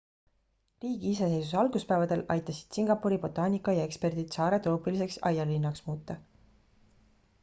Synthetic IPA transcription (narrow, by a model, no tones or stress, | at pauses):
riːɡ̥iise̞se̞jsus̬eɑlɡ̥uspæːvɑd̪̥e̞lʔɑjt̪ːˑɑsi̥d̪̥siŋɡ̥ɑpːˑuɾibo̞t̪ːˑɑːnʲikːˑɑjɑe̞kspe̞rd̪̥id̪̥sɑːɾe̞t̪o̞ːpˑilise̞ksɑjɑlːinːɑksmuːt̪ːˑɑ